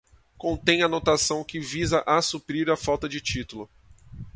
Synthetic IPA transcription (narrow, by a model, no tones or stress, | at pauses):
kõnt̪ẽj̃ɐnot̪asɐ̃w̃kɪvizɐʔasupɾiɾɐfawt̪ɐd͡ʒɪt͡ʃit̪ulʊ